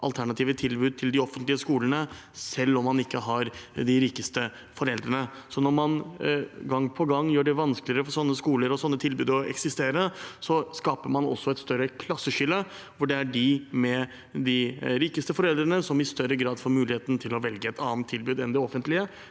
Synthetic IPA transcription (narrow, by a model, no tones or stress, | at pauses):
ʔɑ̰lt̪ʰæɳɑt̪ʰiːʋət̪ʰɪlbʉːd̪̚t̪ʰɪld̪ɪɔfənt̪lɪəskuːlənə | sɛlːɔmːɑnɪkːəɦɑɾd̪ɪɾiːkəst̪ə | fɔɾɛld̪ɾənə | sɔnɔɾmɑn | ɡɑŋːpʰɔɡɑŋːjøːɖɛʋɑnsklɪəɾəfɔɾsɔnːəskuːləɾɔsɔnːət̪ʰɪlbʉːd̪ɔɛ̰ksɪst̪eːɾəsɔskɑːpəɾmɑnɔ̰sːɔɛt̪st̪œɾəkʰlɑsːəɕʏlːə | ʋʊɖɛæɖɪmɛ | d̪ɪɾiːkəst̪əfɔɾɛld̪ɾənəsɔmɪst̪œɾəɡɾɑːd̪fɔɾmʉːlɪheːt̪n̩t̪ʰɪlɔʋɛlɡəɛt̪ɑːnt̪ʰːɪlbʉːd̪ɛnd̪ɪɔfənt̪lɪə